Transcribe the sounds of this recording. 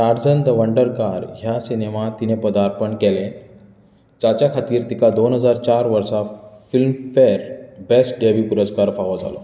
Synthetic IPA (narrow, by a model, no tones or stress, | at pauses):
aɾd͡zənd̪əʋəɳɖəɾkaɾɦjasinemat̪inepəd̪aɾpəɳkele | t͡ɕat͡ɕjakʰat̪iːɾt̪ikad̪onɦəd͡zaɾt͡ɕaɾʋəɾsafilmfeɾbesʈɖebjupuɾəd͡zkaɾfaʋɔd͡za̰lo̰